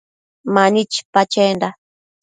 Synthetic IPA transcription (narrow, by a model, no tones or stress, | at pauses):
manit͡ʃpat͡ʃenda